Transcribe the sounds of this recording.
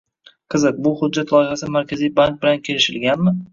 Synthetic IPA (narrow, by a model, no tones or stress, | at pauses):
qʰɨzɨq̚bʊhʊd͡ʒːat̪lˠɒjɪhasɪmaɾkʲʰazijbaŋk̚bɪlankʲʰe̞lɪʃɪ̰lɡʲanmɪ